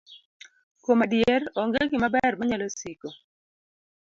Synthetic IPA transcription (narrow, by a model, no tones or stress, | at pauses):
komadjerɔŋɡeɡɪmabɛrmaɲalosiko